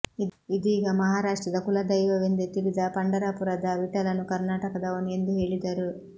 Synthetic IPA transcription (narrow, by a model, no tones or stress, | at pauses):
id̪iɡamɐɦaːɾaːʂʈɾɐd̪ɐkulɐd̪ɐjʋɐʋend̪et̪ilid̪aːpɐɳɖɐɾaːpuɾɐd̪aʋiʈɐlɐnukɐɾnaːʈɐkɐd̪ɐʋɐniend̪ueɭid̪aːɾu